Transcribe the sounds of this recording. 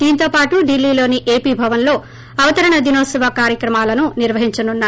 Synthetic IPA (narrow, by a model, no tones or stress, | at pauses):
d̪iːnt̪o̞ːpaːʈuɖilːiːlo̞ːniʔe̞ːpiːbʱɐʋɐnlo̞ː | ɐʋɐt̪ɐɾɐɳɐd̪inoːsɐʋakaːɾjɐkɾɐmaːlɐnuniɾʋɐɦiɲt͡ʃɐnunːaː